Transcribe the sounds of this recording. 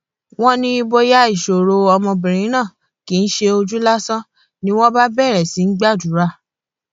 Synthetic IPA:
w̃ɔ̃˦nĩ˦i˧bo˧ja˦i˨ʃo˨ɾo˨ɔ˧mɔ̃˧bĩ˨ɾ̃ĩ˨˦nã˦˨ | ki˨˦n̩˦ʃe˧o˧d͡ʒu˦la˦sɔ̃˦ | nĩ˦w̃ɔ̃˦ba˦bɛ˦˨ɾɛ˨si˨˦n̩˦ɡ͡ba˦˨du˨˦ɾa˦˨

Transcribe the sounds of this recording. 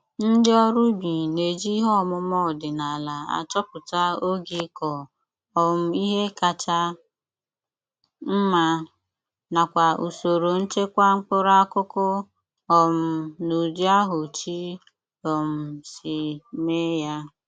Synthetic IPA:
n̩˦dɪ˦ɔ˦ɾu˦bi˨ne˨d͡ʒi˦ɦɔ˦˨mʊ˦mɔ˦˨dɪ˨na˨la˨a̰˨t͡ʃɔ˦pʊ˨ta˦o˦ɡi˦kɔ˨ | ɔ˨m̩˦i˦ɦe˦ka˨t͡ʃa˦ | m̩˦ma˦ | na˨kʷa˨u˨so˨ɾo˨n̩˦t͡ʃe˦kʷa˦ŋ͡m̩˦k͡pʊ˦ɾa˦kʊ˦kʊ˦ | ɔ˨m̩˨nu˨di˦a˦ɦʊ˨t͡ʃi˦ | ɔ˨m̩˨si˨me˦ja˦

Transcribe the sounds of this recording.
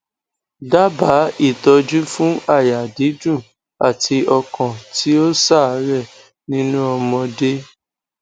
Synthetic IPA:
da˦ba˨˦i˦˨tɔ˧d͡ʒu˦fũ˦a˦˨ja˨di˨˦d͡ʒũ˦˨ | a˦˨ti˧ɔ˧kɔ̃˨ti˦o˦sa˦˨˦ɾɛ˦˨ | nĩ˦nũ˦ɔ˧mɔ̃˧de˦

